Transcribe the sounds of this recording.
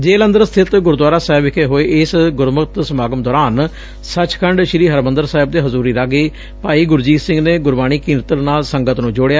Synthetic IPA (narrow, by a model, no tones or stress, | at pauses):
d͡ʒeːlənd̪əɾsə̥t̪ʰɪt̪ɡʊɾd̪waːɾaːsaːɪbɪkʰeːɦoːeːʔɪsɡʊɾməkt̪səmaːɡəmd̪ɔːɾaːn | sət͡ʃkʰəɳɖʃɪɾiːɦəɾmənd̪əɾsaːɪb̚d̪eːɦəzuːɾiːɾakɡeː | paːiːɡʊɾd͡ʒiːsɪ̃ŋɡneːɡʊɾbaːɽ̃iːkĩːnɾt̪əɾnaːlsəŋɡət̪nũːd͡ʒoɽejaː